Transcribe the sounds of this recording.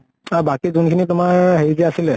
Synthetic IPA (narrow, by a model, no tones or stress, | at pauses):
abakizunkʰinitʊmaɹɦezɛasilɛ